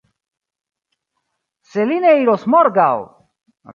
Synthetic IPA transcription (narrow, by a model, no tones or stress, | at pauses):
selineiɾosmoɾɡaw